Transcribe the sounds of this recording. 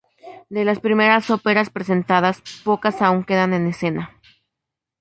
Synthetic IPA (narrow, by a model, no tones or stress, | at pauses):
d̪e̞laspɾime̞ɾaso̞pe̞ɾaspɾe̞s̬e̞nt̪að̞aspo̞kasauŋke̞ðane̞ne̞se̞na